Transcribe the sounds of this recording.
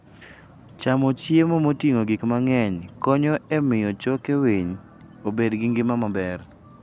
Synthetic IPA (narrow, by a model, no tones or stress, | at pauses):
t͡ʃamot͡ʃjemomotiŋoɡikmaŋɛɲkɔɲɔemɪjɔt͡ʃɔkeweɲ | obedɡɪŋɡɪmamabɛr